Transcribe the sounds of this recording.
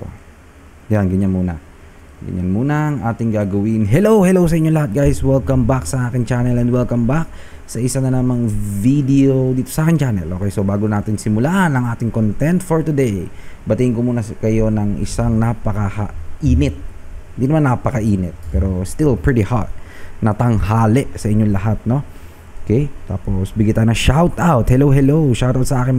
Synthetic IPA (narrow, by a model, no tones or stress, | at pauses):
t̪o̰ | janɡɐɲanmuːnɐ̰ | ɡɐ̰ɲanmuːnɐɐŋʔaːt̪ɪŋɡaːɡɐwɪnɦɛlowhɛlowsɐʔɪɲːolɐhat̪̚ɡajswɛlkɐmbaksɐʔaːkɪŋt͡ʃaːnɛlɛnd̪wɛlkɐmbak̚ | sɐʔɪsanɐnɐmaŋvid̪ɛod̪iːt̪osɐaːkɪnt͡ʃaːnɛ̰lʔokɛjsobaːɡonaːt̪ɪŋsɪmʊlaːʔɐnɐŋʔaːt̪ɪŋkont̪ɛnt̪foɹt̪ʊd̪ejbɐt̪ɪhɪŋkomuːnɐskɐjo̞nɐŋɪ̰saŋnapɐkɐhɐʔiːnɪt̪̚ɪnd̪inɐmanːɐpɐkɐʔiːnɪt̪̚pɛːɾo̞st̪ɪlpɹɪt̪iha̰ɹt̪̚nɐt̪ɐŋhaːlɛʔsɐʔɪɲːolɐɦat̪̚no̞ | okɛjt̪a̰ːposbɪɡit̪aːjʊnɐʃawt̪ʔawt̪hɛlowɦɛlowʃawt̪aʊwt̪sɐʔaːkɪn